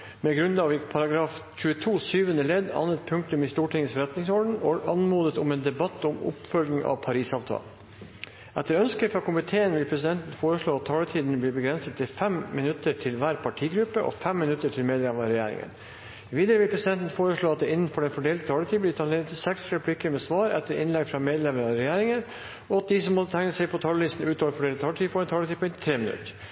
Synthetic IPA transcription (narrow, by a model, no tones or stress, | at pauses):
mɛɡɾʉnɑʋɪpʰɑɾɑɡɾɑːft͡ʃʉːət̪ʰuːsyːʋənəlɛd̪ɑ̰nːət̪̚pʰʉŋk̚t̪ʉmɪst̪uːʈɪŋːəsfɔɾɛt̪nɪŋsɔɖɳ̩ɔʔɑnmuːd̪ət̪ʊmeːnd̪ɛbɑt̪ːʊmʊ̰pfœlɡnɪŋɑ̰ʋpʰɑɾiːsɑːʋt̪ʰɑ̰ːl | ʔɛt̪ːəɾœnskəfɾɑkʊmɪt̪ʰeːənʋɪlpʰɾɛsɪd̪ɛnt̪n̩foːɾəʂɭoːɑt̪ʰːɑːlət̪ʰiːd̪n̩bliːbəɡɾɛnsət̪ːɪfɛmmɪnʉt̪əɾʈʰɪlʋæːɾpʰɑʈʰiːɡɾʉpːəʔɔ̰fɛmːɪnʉt̪ːəʈʰɪlmeːd̪lɛməɑɾɛjæ̰ːɾɪ̰ŋə̰n | ʋiːd̪əɾəʋɪlpʰɾɛsɪd̪ɛnt̪n̩foːɾəʂɭoːɑt̪d̪ɛɪnːn̩fɔɖɛnfɔɖeːlt̪ət̪ʰɑːlət̪ʰiːblɪːt̪ʰɑneːɾət̪ʰɪsɛksɛpʰlɪkːəmɛːsʋɑːɾɛt̪ːəɾɪ̰nlɛɡfɾɑmeːd̪lɛməɾɑɾɛjæːɾɪŋəɾ | ɔɑt̪̚d̪isɔmːɔt̪ʰæŋnəsɛɪpʰɔt̪ʰɑːləlɪst̪n̩ʉːt̪ʰɑːʋəɾfɔɖeːləɑːləʈ̪ʰiːfɔɖɛnt̪ʰɑːlət̪ʰiːpʰɔɪnt̪t̪ʰɾeːmɪnʉ̰t̪əɾ